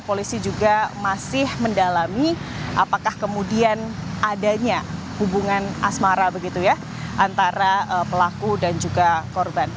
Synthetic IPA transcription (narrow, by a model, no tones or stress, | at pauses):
polisid͡ʒuɡamasɪhməndalami | ʔapakahkəmudianʔadaɲa | hubuŋanasmaɾabəɡit̪uja | ʔant̪aɾaəpəlakudand͡ʒuɡakɔrban